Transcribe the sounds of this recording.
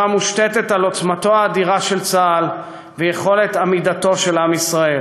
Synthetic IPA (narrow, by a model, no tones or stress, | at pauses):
amuʃtet̪e̞t̪alo̞t͡smat̪o̞aːdiʁaʃe̞lt͡saːl | vejeχo̞le̞t̪amid̪at̪o̞ʃe̞lamisʁae̞l